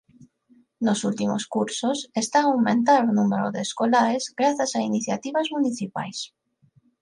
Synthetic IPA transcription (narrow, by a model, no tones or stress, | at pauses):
nosult̪imo̰skuɾsosest̪aːwmẽnt̪aɾonumeɾo̰ðeːskolaɾezɡɾaθasainiθjat̪iβazmuniθipa̰js